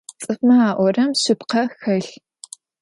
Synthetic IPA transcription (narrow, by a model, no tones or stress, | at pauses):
t͡sʼɨfmɐaːʔʷɔrɐmɕɪpqɐxɐɬ